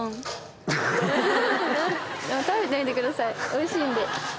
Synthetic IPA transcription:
nããt̪aβet̪ait̪ekɯ̟d̪asaioiɕĩːnd̪e

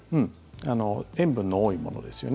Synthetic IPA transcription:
ɯ̟̃ɴ | ano̞ẽ̞mbɯ̟̃nːooːimo̞̰no̞̰d̪e̞sɨjo̞n

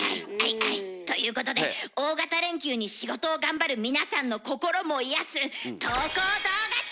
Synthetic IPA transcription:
aiaiait̪o̞jɯ̟ːko̞t̪o̞d̪eo̞ːɡat̪aɾẽ̞ŋkʲɨːɲ̟iɕiɡo̞t̪o̞ːɡãmbaɾɯ̟mʲinasãnːo̞ko̞ko̞ɾo̞mo̞ijasɨt̪oːkoːd̪oːɡa

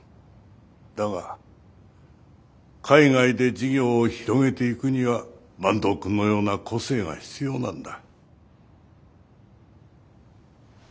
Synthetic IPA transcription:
d̪̥aɡa̰ | kʰaiŋaid̪e̞d͡ʑiɡʲo̞ːçiɾo̞ɡe̞t̪e̞ikɯ̟ɲ̟iβa | mãnd̪o̞kɯ̟nːo̞jo̞ːnakʰo̞se̞ːŋa̰çi̥t͡sɨjo̞ːnãnd̪a

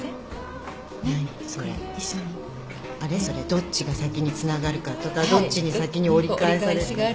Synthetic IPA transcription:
naɲisoɾḛ | aɾe̞so̞ɾe̞d̪o̞tt͡ɕiɡasakʲiɲ̟it͡sɨnaɡaɾɯ̟kaɾt̪ot̪ad̪o̞t͡ɕːiɲ̟issakʲiɲ̟io̞ɾʲikaesaɾe

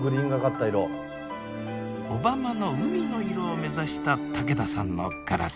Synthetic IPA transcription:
ɡɯ̟ɾʲĩŋɡakat̪ːaiɾo | obamano̞ɯ̟mʲino̞iɾo̞ːme̞zaɕi̥t̪at̪ʰake̞d̪asãnːo̰kaɾa̰

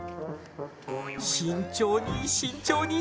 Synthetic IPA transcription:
ɕint͡ɕjoniɕint͡ɕjoni

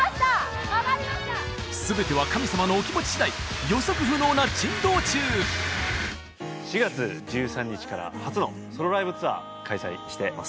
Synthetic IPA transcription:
a | aaa | sɨbe̞t̪e̞β̞akamʲisamano̞ːkʲimo̞t͡ɕi̥ɕid̪aijo̞so̞kɯ̟ɸɯ̟no̞ːnat͡ɕĩnd̪o̞ːt͡ɕɨː | ɕiɡat͡sɨd͡ʑɨːsãɲ̟ːit͡ɕi̥kaɾa̰hat͡sɨno̞̰ | so̞ɾo̞ɾaibɯ̟t͡sɨβa̰ | kʰaisa̰iɕi̥t̪e̞ma̰sɨ̥

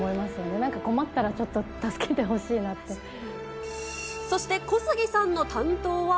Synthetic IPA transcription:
mo̞imasɨjo̞ne̞nãŋkako̞mat̪ːaɾat͡ɕo̞t̪ːot̪asɨ̥kʰe̞t̪e̞ɦo̞ɕiːnat̪ːe̞ | so̞ɕi̥t̪e̞ko̞sɨɡʲisãnːo̞t̪ãnt̪o̞ːβa

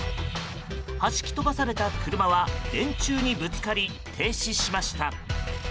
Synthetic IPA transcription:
haɕi̥kʲi̥t̪o̞d̪asaɾe̞t̪akɯ̟ɾɯ̟maβad̪ẽ̞ɲ̟t͡ɕɨːɲ̟ibɯ̟kkaɾʲi | t̪ʰe̞ːɕiɕimaɕi̥t̪a

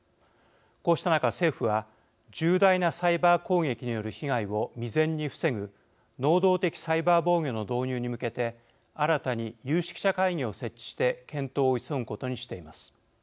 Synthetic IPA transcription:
ko̞ːɕi̥t̪anakase̞ːɸɯ̟βa | d͡ʑɨːd̪ainasaibaːko̞ːŋe̞kʲiɲ̟ijo̞ɾɯ̟çiɡaiβo̞mʲizẽ̞ɲ̟ːiɸɯ̥se̞ŋɯ̟ | no̞ːd̪o̞ːt̪e̞kʲi̥saibaːbo̞ːɡʲo̞no̞d̪o̞ːɲɨːɲ̟imɯ̟ke̞t̪e̞ | aɾat̪aɲ̟ijɯːɕi̥kʲi̥ɕakaiɲʲio̞se̞t͡ɕːi̥ɕi̥t̪e̞kẽ̞nt̪o̞ːisoŋɯ̟ko̞t̪o̞ɲ̟iɕi̥t̪e̞imasɨ̥

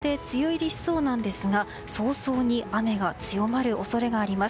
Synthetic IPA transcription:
e̞t͡sɨjo̞iɾʲiɕi̥so̞ːnãnd̪e̞sɨɡa | so̞ːso̞ːɲ̟iame̞ɡat͡sɨjo̞maɾɯ̟ʔo̞so̞ɾe̞ɡaːɾʲimas

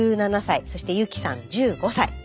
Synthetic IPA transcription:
ɨːnanasaiso̞ɕi̥t̪e̞jɯ̟kʲi̥sã̰ɲd͡ʑɨːɡo̞sai

